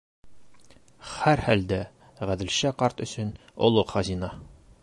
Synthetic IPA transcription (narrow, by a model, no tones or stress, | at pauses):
χæɾhæld̪æ | ʁæd̪ɘ̆lɕæqɒɾt̪ɵ̆sɵnŏ̰lˠoqχɒzinɑ